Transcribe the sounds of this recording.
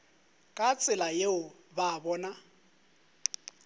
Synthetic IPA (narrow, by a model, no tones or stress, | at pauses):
kʼat͡sʼɪlajeʊ | baːbɔːna